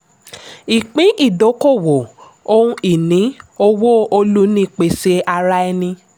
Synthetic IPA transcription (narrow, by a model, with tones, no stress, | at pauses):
i˨k͡pĩ˨˦ʔi˦˨do˨˦ko˦˨wo˨ | o˦ũ˦i˨nĩ˨˦o˧wo˦o˧lu˦nĩ˦k͡pe˧se˧a˧ɾa˦ɛ˧nĩ˧